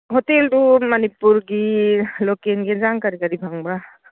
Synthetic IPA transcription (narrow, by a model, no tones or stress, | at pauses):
ɦoteldumanipuɾɡilokenɡezaŋkaɾikaɾibʱaŋbɾa